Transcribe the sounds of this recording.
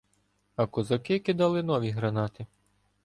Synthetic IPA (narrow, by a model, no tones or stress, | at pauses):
ɐkɔzɐkɪkid̪ɑlˠɪnɔʋʲiɦɾɐnɑt̪ɪ